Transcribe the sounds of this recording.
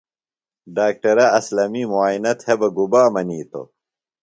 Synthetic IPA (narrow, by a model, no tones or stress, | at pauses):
ɖaːk̚ʈɐɾɐɐslɐmiːmuaːinɐt̪hebɐɡubaːmɐniːt̪o̰